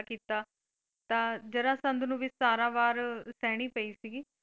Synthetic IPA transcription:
kiːt̪aː | t̪ãːd͡ʒəɾãːsə̃nd̪nũːʋɪsaːɾãːbaːɾsɛːɽ̃iːpəiːsiɡiː

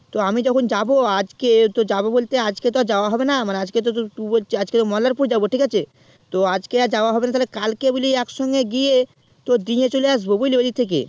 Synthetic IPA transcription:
t̪oamid͡ʑɔkʰond͡ʑaboad͡ʑket̪od͡ʑabobolt̪ead͡ʑket̪oad͡ʑaoaɦɔbenamanead͡ʑket̪ot̪ot̪uboliad͡ʑket̪omɔlaɾpuɾd͡ʑaboʈikat͡ɕʰe | t̪oad͡ʑkead͡ʑaoaɦɔbenat̪aɦlekalkeboliɛkʃɔŋɡeɡije | t̪od̪iɲet͡ɕoleaʃ̬bobojled̪it̪ʰek̬ḛ

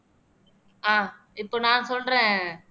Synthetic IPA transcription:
ãː | ɪpːonãːnsoːɳɾẽː

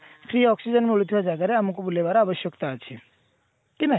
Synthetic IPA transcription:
kʰɾiɔksid͡ʒɔnmeuɭut̪ʰibad͡ʒaɡaɾeamɔkobulebaɾabɔʃjɔkt̪aːt͡ʃʰe | kinaɦ

